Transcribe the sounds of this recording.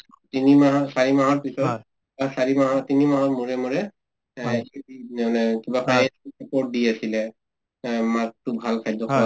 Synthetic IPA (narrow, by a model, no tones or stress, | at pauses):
tinimaɦasaɹimaɦɔɹpisɔt | basaɹimaɦɔtinimaɦɔɹmuɹɛmuɹɛ | inɛnɛkibapʰaɛapɔɹt̚diasilɛ | mak̚tubʱalkʰajdɔɔ